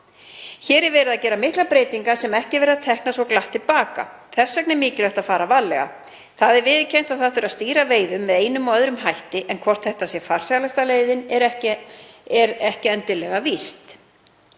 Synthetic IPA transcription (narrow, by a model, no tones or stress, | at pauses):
çɛːɾɛɾvɛːɾɪðacɛːɾamɪhklapɾeːjt̪iŋkasɛmɛhcɪvɛːɾɪðat̪ʰɛhknasɔklaht̪ːɪlpaːka̰θɛ̥sːœknɪmɪːcɪlœɥht̪aðfaːɾavalːɛ̰ɣa̰ | θaðɛɾvɪːðcʰejn̥t̪aðθaθʏɾast̪iːɾaveːjðʏmːɛðeːjnʏmɔœðɾʏmɦajht̪ɪʔɛnkʰvɔr̥t̪θɛht̪asjɛfar̥salast̪aleːjðɪnɛɾɛ | ɛɾɛhcɪɛnt̪ɪnlɛɣavist̪